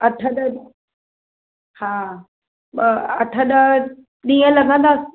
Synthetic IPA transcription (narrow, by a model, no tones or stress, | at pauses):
ɐʈʰəɗəɗ | haː | ɐʈʰəɗə | ɗiːə̃lɐɡʱə̃nd̪aːs